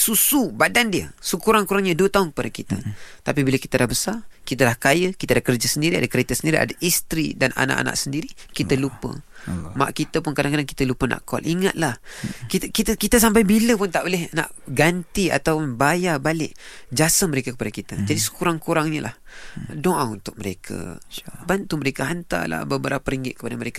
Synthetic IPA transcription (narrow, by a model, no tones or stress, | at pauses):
susubadandiə̰səkuɾaŋkuɾaŋɲəduət̪aʊnkəpadakit̪ə̰t̪apibilaki̥t̪alahbəsarkit̪əlahkajəkit̪alahkərd͡ʒasəndiɾiadakəɾet̪əsəndiɾia̰daʔist̪ɾḭdana̰na̰ʔa̰na̰ʔsəndiɾikit̪əlupə̰ma̰ʔkit̪əpʊnkadaŋkadaŋki̥t̪əlupənʔa̰ʔkɔ̰lʔiŋat̪̚lahkit̪kit̪əkit̪əs̬ampajbiləpʊnt̪aʔolɪhna̰ʔɡant̪ia̰t̪awʊnbajabalɪʔd͡ʒasəŋməɾekakə̥padakit̪ad͡ʒadisə̥kuɾaŋkuɾaŋɲəla̰hdoaŋunt̪ʊk̚məɾekʰa̰bant̪uməɾekaɦant̪a̰la̰bəbəɾapəɾiŋɡɪt̪̚kə̥padaməɾeka